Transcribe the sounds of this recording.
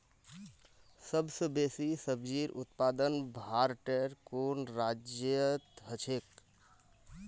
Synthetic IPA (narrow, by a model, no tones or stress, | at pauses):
səbsə̃besisəbd͡ʒiɾṵt̪pad̪ənbʱaɾʈeɾkonɾad͡ʒjət̪ɦət͡ʃʰek